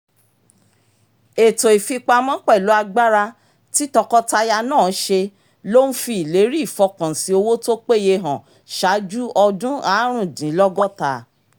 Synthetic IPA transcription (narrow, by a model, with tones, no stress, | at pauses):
e˨to˨i˨fi˧k͡pa˧˦mɔ̃˦k͡pɛ˦˨lu˨˦a˧ɡ͡ba˦ɾa˧ | ti˦tɔ˧kɔ˦ta˧ja˧nãː˦˨˦ʃe˧ | lo˦n̩˦fi˧i˨le˨˦ɾi˦i˦˨fɔ˧kã˨si˨˦o˧wo˦to˦k͡pe˦˨je˧ɦã˨ | ʃa˨˦d͡ʒu˦ɔ˧dũ˦a˨˦ɾ̃ũ˦˨dĩ˨˦lɔ˦ɡɔ˦ta˧